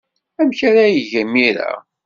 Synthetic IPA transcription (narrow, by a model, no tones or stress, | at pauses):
æmçaɾajəʝæmːiɾa̰